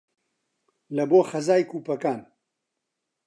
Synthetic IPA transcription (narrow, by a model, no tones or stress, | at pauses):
lɐboːxɐzaːjkuːpɐkaːn